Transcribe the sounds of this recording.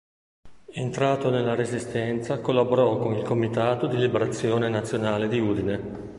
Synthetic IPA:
ent̪ɾaːt̪onelːaɾezist̪ɛnt̪sakolːaboɾɔkːonilkomit̪aːt̪od̪ilibeɾat̪sːjoːnenat̪sːjonaːled̪iuːd̪ine

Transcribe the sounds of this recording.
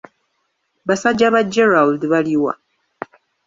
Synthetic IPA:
βasad͡ʒaβad͡ʒeɾaldβaliwa̰

